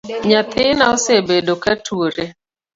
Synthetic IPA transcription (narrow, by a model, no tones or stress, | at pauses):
ɲat̪ɪnaosebedokatʰuoɾe